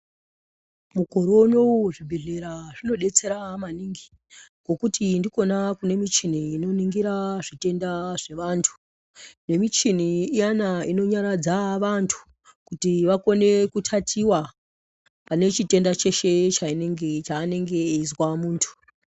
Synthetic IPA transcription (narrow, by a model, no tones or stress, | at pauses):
muko̞ɾo̞no̞uʐibʱeɮeɾaʐino̞ɗe̞t͡se̞ɾamaniŋɡi | ɡo̞kutindiko̞nakune̞mit͡ʃin̤iːno̞niŋɡiɾaʐite̞ndaʐe̞ʋantʰu̥ | ne̞mit͡ʃin̤iːjanaino̞ɲaɾad͡zaʋantʰu̥ | kutiʋako̞ne̞kutʰatʰiwa | pane̞t͡ʃite̞ndat͡ʃe̞ʃet͡ʃaineŋɡet͡ʃaːne̞ŋɡe̞ːizwamuːntʰu̥